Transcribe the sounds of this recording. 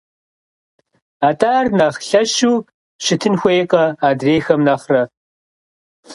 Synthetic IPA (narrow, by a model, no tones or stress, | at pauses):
aːtʰʼaːrnɐχɬɐʃuːk | ɕɪtʰɨnxʷejqʼɐaːdreːxɐmnɐχrɐ